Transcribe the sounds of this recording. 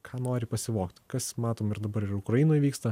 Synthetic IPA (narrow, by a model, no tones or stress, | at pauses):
kʰɑːnoːɾʲɪpɐsʲɪʋoːkt̪ʲkɐsmɑːt̪oːmɪɾd̪ɐbɐɾɪɾʊkɾɐjɪnoːjʋʲiːkst̪ɐ